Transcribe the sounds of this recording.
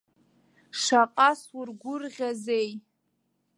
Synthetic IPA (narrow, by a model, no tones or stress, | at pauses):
ʂaqʼasurɡʷʊrʁʲazej